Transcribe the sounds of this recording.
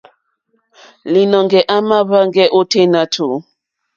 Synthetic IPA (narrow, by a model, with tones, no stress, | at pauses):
li˨nɔ˨ŋɡɛ˨ʔa˦ma˦βa˦ŋɡɛ˦ʔo˦tʰe˦na˦tʰo˨